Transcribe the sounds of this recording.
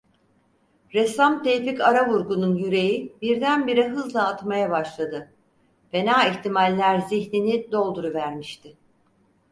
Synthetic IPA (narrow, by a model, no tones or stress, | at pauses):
ɾesamt̪ʰejficaɾavuɾɡununjyɾe̞jibiɾd̪ænbiɾɛɦɯzlˠaːt̪majabaʃlˠad̪ɯ | fe̞naːiçt̪ʰimalʲːæɾziçninid̪o̞lˠd̪uɾuvæɾmiʃt̪ʰɪ